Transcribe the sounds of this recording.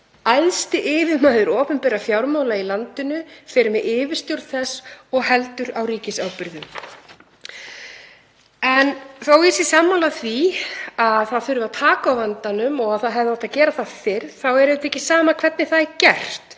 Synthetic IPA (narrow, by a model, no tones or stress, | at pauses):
ajðst̪ɪʔɪːvɪðmaːjðʏɾɔːpʏmpɛːɾafjawɾmawlailant̪ʏnʏfɪɾɪmɛɪːvɪɾ̥st̪jowɾðθɛsːɔɣɦɛlt̪ʏɾawɾiːcɪsawpɪɾðʏm | ɛnθawisisaːmːawlaθviaðθaðθʏɾʏvaðt̪ʰaːkaawvant̪anʏmɔɣaðθaðɦɛvðɪɔht̪acɛːɾaθaðfɪɾθawɛɾɪt̪ɛhcɪsaːmakʰv̥ɛt̪nɪθaðɛɾcɛr̥t̪